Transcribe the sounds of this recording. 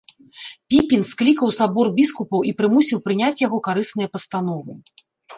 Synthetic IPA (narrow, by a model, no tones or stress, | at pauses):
pʲikʲinsklʲikɐwsabɔrbʲiskupɐwipɾɨmusʲiwpɾɨnʲat͡sʲjaɣɔkaɾɨsnɨjɐpɐst̪anɔvɨ